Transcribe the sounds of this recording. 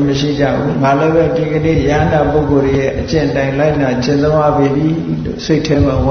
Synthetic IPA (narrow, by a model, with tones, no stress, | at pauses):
məʃḭ˦˨d͡ʑa̰˦˨bu˦ŋa˨lo˦bɛ˦˨di˨ɡə˨nḛ˦˨jã˦nda˨po˦ʊko˨de˨jɛ̰˦ʔət͡ɕɪ̰̃˦˨ʔətã˨ɪ̃la˦ɪʔna˨t͡ɕɪ̃˨nt̪õ˦ja̰˦˨be˨bi˨lo̰˦˨se˦ɪʔtʰɛ˦mã˨w